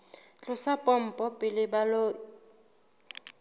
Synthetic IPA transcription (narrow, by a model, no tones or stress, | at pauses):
t͡ɬʼʊsapʼɔm̩pʼɔpʼɪlɪbalo